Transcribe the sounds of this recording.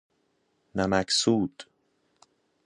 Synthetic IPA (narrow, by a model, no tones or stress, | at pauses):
næmæksuːd̪̥